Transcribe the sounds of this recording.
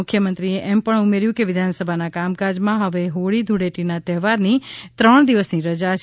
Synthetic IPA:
ʊkʰːjəmənt̪ɾieʔɛmpəɳumeɾjũkeʋɪd̪ʱansəbʱanakamkad͡ʒmãɦəʋeɦoɭid̪ʱuɽeʈinat̪ɛɦʋaɾnit̪ɾəɳ̃d̪iʋəsniɾəd͡ʒat͡ʃ

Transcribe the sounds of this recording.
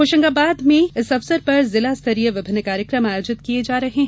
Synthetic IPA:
oːʃə̃ŋɡaːbaːd̪mẽɪsɐfsəɾpɐɾzɪlast̪ʰɐɾijəʋɪbʱɪnːkaːɾjəkɾəmaːjoːd͡ʒɪt̪kied͡ʒaːɾɐɦeɦɛ̃

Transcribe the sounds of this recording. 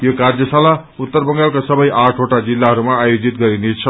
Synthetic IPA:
jokard͡zʌsala | ut̪ːʌrbʌŋɡalkasʌbʌjʔaʈʰoʈad͡zilːaɦʌɾumaːjod͡zit̪̚ɡʌɾinet͡sʰʌ

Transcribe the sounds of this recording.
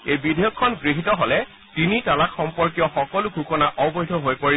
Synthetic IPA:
ejbidʱejɔkʰːɔnɡɹiɦitɔɦɔlɛ | tinitalakxɔmpɔɹk̬ijɔxɔkɔlʊɡʱukɔnaʔɔwbɔjdʱɔɦojpoɹi

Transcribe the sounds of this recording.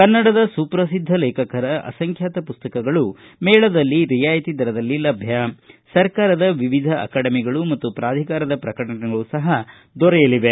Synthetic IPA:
kɐnːɐɽɐd̪ɐsuːpɾɐs̬id̪ʱːɐlɛːkɐkɐɾɐʔɐ̰sɐŋkʰjaːt̪ɐpust̪ɐkɐɡɐɭu | mɛːɭɐd̪ɐlːiɾijaːjt̪id̪ɐɾɐd̪ɐlːilɐbʱjɐsɐɾkaːɾɐd̪ɐʋiʋid̪ʱɐʔɐ̰kaːɽɐmiɡɐɭumɐt̪ːupɾaːd̪ʱikaːɾɐd̪ɐpɾɐkɐɽɐnɛɡɐɭusɐɦɐ | d̪ɔɾɛjɐliʋe

